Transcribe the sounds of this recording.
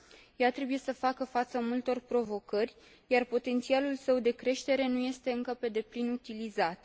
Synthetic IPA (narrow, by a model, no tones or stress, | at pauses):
jat̪ɾe̞buje̞səfakəfat̪səmult̪o̞rpɾo̞vo̞kərʲ | jarpo̞t̪e̞nt̪sialulsəwd̪e̞kɾe̞ʃt̪e̞ɾe̞nuje̞st̪e̞ɨŋkəpe̞d̪e̞plinut̪ilizat̪